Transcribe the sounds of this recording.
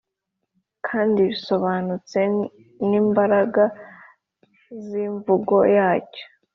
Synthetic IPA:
kʰaːndiβiso̞βaːnut͡se̞ | niːmbaɾaɡa | ziːɱvuɡo̞jaːco̥

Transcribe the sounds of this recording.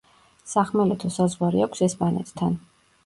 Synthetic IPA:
saχmɛlɛt̪ʰɔsazʁwaɾiakʷʰsɛspʼanɛ̰t̪ʰt̪ʰːan

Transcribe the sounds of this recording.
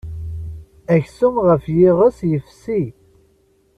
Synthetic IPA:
æçsumʁəfjɪʁəsjəfsi

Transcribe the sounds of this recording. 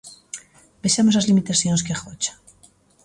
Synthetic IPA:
beʃamosazlimit̪aθjonskexot͡ʃḁ

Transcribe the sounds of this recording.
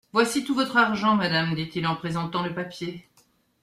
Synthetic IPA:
vwasit̪uvɔt̪χaʁʒɑ̃mad̪amd̪it̪ilɑ̃pχezɑ̃t̪ɑ̃ləpapje

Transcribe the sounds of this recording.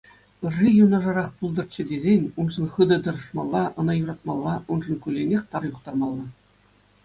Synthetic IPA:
ɯʐijunɑʐɑɾɑχpulˠd̪ɤ̆rt̪t͡ɕɘ̆dʲezʲenʲunʐɤ̆nχɯd̪ɤ̆d̪ɤ̆ɾɤ̆ʂmɑlˠːɑʔɤ̆nɑjuɾɑt̪mɑlˠːɑʔunʐɤ̆nkʲylʲːenʲexʲt̪ɑrjuqt̪ɑrmɑlˠːɑ

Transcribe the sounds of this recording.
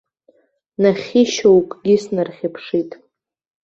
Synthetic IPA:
naχʲiʃowkʼɡʲɪsnarχʲɪpʰʂitʼ

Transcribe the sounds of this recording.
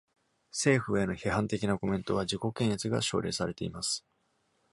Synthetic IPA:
se̞ːɸɯ̟eno̞çeɦãnt̪e̞kʲinako̞mẽ̞nt̪o̞βad͡ʑiko̞kẽ̞ɰ̃et͡sɨɡa̰ɕo̞̰ːɾe̞̰ːsaɾe̞t̪e̞imasɨ̥

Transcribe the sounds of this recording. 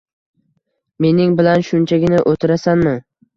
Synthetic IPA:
me̞nɪŋbɪlanʃʊnt͡ʃʰaɡʲɪnɪʔot̪ʰɪɾasanmɪ

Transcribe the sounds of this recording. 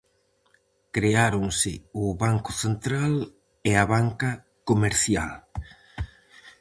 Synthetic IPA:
kɾeaɾʊŋsɪ̰ʊβaŋkʊθent̪ɾal | eaβaŋka | komeɾθja̰l

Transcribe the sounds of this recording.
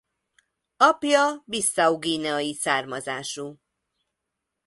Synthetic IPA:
ɒpjɒbisːɒuɡiːnɛɒjisaːrmɒzaːʃu

